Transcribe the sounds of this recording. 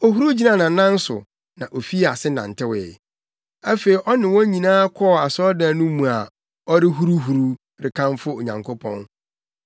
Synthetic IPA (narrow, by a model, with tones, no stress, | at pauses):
ɔ˨ɦu˦ɾu˦d͡ʑi˦nã˨nã˨˦nã˦n̩˦sʊ̰˨ | nã˨ʔo˨fi˦˨a˨sɪ˦nã̰˨n̩˨tʰɪ˦wɛ̰˨ | æ˦fe˨i˨ʔɔ˦nɪ̃˨wɔ̃˦ɲĩ˨nãː˦kʰɔ˦˨a˨sɔ˦dã˨nũ˦mũ˨a˨ | ɔ˦ɾɪ˦ɦu˦ɾu˦ɦu˨ɾu˦ | ɾɪ˨kʰã˦nfʊ˦o˨ɲã̰˨ŋkʰo˦pʰɔ̰̃˦n